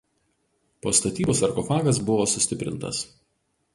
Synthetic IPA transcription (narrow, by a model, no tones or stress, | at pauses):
po̰ːst̪ɐt̪ʲiːboːsɐɾkɔfɑːɡɐsbʊʋoːsʊsʲt̪ʲɪpʲɾʲɪ̰nt̪ɐ̰s